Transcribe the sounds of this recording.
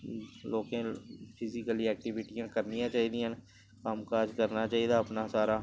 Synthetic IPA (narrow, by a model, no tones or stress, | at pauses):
loːkẽːpʰɪzɪkəliɛːk̚ʈɪʋɪʈijãːkəɾnijãːt͡ʃaːɦid̪iãn | kaːmkaːd͡ʒkəɾnaːt͡ʃaːid̪aːəpnaːsaːɾaː